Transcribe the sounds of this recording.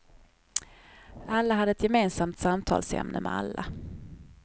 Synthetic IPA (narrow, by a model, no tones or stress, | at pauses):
alːaɦad̪ːəɛt̪jɛmeːnsamt̪samt̪ʰɑ̰ːlsɛ̰mnʔəmɛalːa